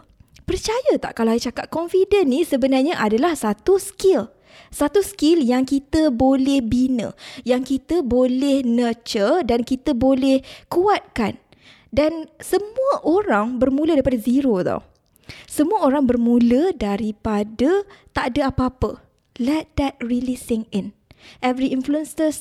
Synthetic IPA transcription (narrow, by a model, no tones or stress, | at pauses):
pərt͡ʃajət̪a̰ʔkalaajət͡ʃakat̪̚kɔnfidənːĩsəbənarɲaʔadalahsat̪uskɪl | sat̪uskɪljaŋkit̪əbolɛhbinə̰̃jaŋkit̪əbolɛhnət͡ʃərdankit̪əbolɛhkuat̪̚kan | dansəmũəʔoɾaŋbərmũlədaɾipadaziɾoðo̰ | səmũəoɾaŋbərmũlədaɾipadət̪aʔdəapəapə | lɛt̪̚d̪ɛt̚rilisɪ̃ŋɪn | ʔɛvɾiinfluənstəs